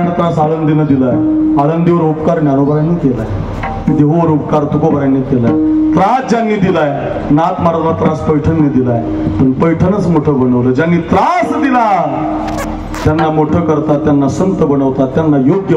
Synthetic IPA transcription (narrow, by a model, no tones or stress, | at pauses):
aɳt̪ɾãsalənd̪inəd̪ilajalənd̪iʋəɾupkaɾɳjaɾobʱɾanik̪ela̰j | d̪eʋəʋəɾupkaɾt̪ukobʱəɾanːit̪elajt̪ɾãsd͡ʑanːiːd̪ilaj | nat̪maɾət̪lat̪ɾãspəjʈʰənːid̪ilaj | pəɳpəjʈʰənət͡smoʈʰəbəɽəʋləd͡ʑanːiːt̪ɾasd̪ila | t̪janːamoʈʰəkəɾt̪at̪janːasəmt̪əbəɽ̃əʋt̪at̪janːajoɡjə